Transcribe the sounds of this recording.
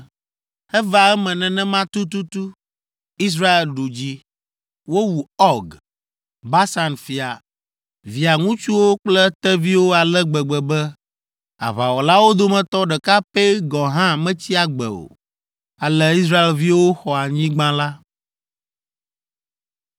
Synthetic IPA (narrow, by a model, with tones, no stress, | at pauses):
hɛ˦va˨ɛ˦mɛ̃˨nɛ̃˨nɛ̃˦mã˦t̪u˦t̪̬u˦t̪u˦ | i˦s̬ɾa˦e˨lɖu˨d͡ʑi˦ | wo˦wu˨ɔ˦ɡ | ba˦sa˨nfi˨a˨ | vi˨a˨ŋũ˦t͡ʃu˦wo˦k͡plɛ˦t̪ɛ˦vi˦wo˦a˨lɛ˦ɡ͡bɛ˨ɡ͡bɛ˨bɛ˦ | a̰˨βa˨wɔ˨la˦wo˦d̪o˦mɛ̃˨t̪ɔ˦ɖɛ˨ka˦pɛ˦ɡɔ̃˨ɦã˦mɛ̃˦t͡ɕi˦a˨ɡ͡bɛ̰˨o̰˨ | a˨lɛ˦i˦s̬ɾa˦e˨lvi˦wo˦xɔ˨a˨ɲĩ˦ɡ͡bã˦la˦